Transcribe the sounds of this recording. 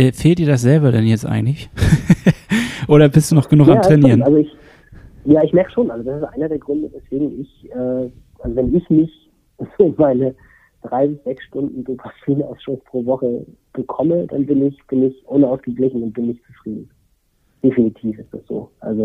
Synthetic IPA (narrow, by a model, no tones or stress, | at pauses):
ʔɛːfeːltdiːɐdas̬z̥ɛlbɐdɛnjɛt͡stʔa̰ɪɡŋ̩tlɪç | ʔoːɾɐbɪstd̥uːnɔχɡ̥ənuːxamaːtʁɛniːʁənalzoɪç | jaːɪçmɛɐkə̥ʃoːnʔalzodasɪsʔa̰ɪnɐdeːɐɡʁʏndəvɛsv̥eːɡŋ̩ɪçʔɛː | ʔazovɛnɪçmɪç | z̥oːmaɪnə | d̥ʁaɪbɪsz̥ɛksʃtʊndn̩d̥opʰafiːna̰ʊsʃospʁ̥oːvɔχə | b̥əkʰɔməd̥a̰nbɪnɪçb̥ɪnɪçʔoːnəaʊsɡ̥əɡlɪçn̩ʊnt̚b̥ɪnːɪçtt͡su̥fʁ̥iːdn̩ | d̥efinitʰiːfɪstd̥asz̥o̰ːʔa̰lzo